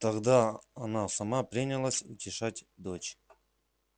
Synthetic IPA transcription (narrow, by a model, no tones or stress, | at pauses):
t̪ɐɡd̪aɐnasɐmapɾʲinʲɪlˠasʲitʲɪʂatʲd̪ot͡ɕ